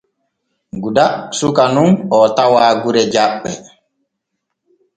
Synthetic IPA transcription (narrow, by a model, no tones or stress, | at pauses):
ɡudasukanunɔtawaːɡuɾɛd͡ʒaɓːɛ